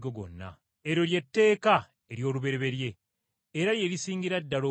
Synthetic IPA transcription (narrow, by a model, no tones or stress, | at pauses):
ɡoɡo̞̰nːa̰ | eɾo̞lje̞tːe̞ːka | e̞ɾjo̞ːluβe̞ɾeβe̞ɾje̞ː | ɾaljeɾisiːŋɡiɾadːalo